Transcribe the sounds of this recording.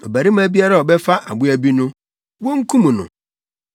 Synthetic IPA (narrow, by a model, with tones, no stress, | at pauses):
o˨bæ˨ɾi˦m˦æ˦bi˦a˦ɾa˦˨ɔ˨bɛ˦fa˦ʔa̰˨bʊ˦æ˦bi˦nʊ̃˦ | wɔ̃˦ŋ̩˦kʰũ˦mũ˨nʊ̰̃˨